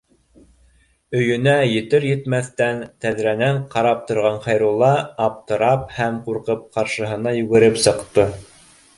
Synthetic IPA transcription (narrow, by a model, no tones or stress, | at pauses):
ɵ̆jɵ̆næjɘ̆t̪ɘɾjɘ̆t̪mæθt̪ænt̪æðɾænæɴqɑɾɑp̚t̪ŏɾʁɑɴχɑjɾulˠɑːp̚t̪ɤ̆ɾɑphæmquɾqɤp̚qɑɾʃɤ̆ɦɤ̆nɑjʉɡɘ̆ɾɘpsɤ̆qt̪ɤ